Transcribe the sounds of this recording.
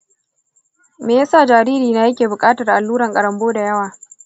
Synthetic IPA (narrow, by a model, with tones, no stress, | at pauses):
meː˨jaː˦saː˦˨d͡ʒaː˨ɾiː˦ɾiː˨na˨jɐ˦kʲeː˨bʊ˨kʼaː˦tɐ˨rʔa˨lːuː˦ɾɐ˨ŋkʼɐ˨ɽɐ˨mboː˦da˨jɐ˦waː˨